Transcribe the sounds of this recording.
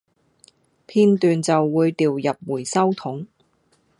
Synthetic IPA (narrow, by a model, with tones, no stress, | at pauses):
pʰiː˧nt̪yː˨nt͡sɐ˨wːuː˨˧jt̪iː˨wjɐ˨p̚wuː˨˩jsɐ˥wt̪ʰʊ˨˥ŋ